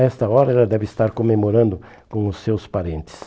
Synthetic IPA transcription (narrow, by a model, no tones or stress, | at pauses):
ɛst̪ɐɔɾɐɛlɐd̪ɛvɪɪst̪aɾkomemoɾɐ̃nd̪ʊ | kõʊsːewspaɾẽnt̪ɪ̥s